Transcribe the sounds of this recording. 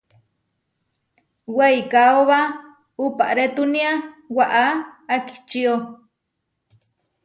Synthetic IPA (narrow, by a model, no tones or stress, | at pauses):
wajkaoβa | upa̰ʔɾet̪uniawaʔaːki̥t͡ʃio